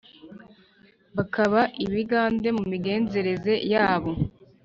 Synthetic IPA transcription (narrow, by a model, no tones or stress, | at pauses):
βakʰaβaʔiβiɡaːnde̞mumiɡe̞ːnze̞ɾe̞ze̞jaːβo̞